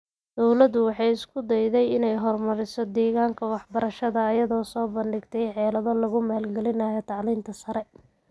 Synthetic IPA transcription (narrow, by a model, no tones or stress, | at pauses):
d̪̥ɔwlɐd̪ʊwɑħɑjɪskʰʊd̪ɛjðɛjɪnɛjɦɔrmɐɾɪsɔd̪ɛːɣaːŋkʰɐwɑħbɐɾɐʃɐðɐːjɐðɔːsɔːbɐndɪɡt̪ʰɛjħɛːlɐðɔlɐɣʊmaːlɡɛlɪnaːjɔt̪ʰɑʕliːnt̪ʰɐsɐɾɛ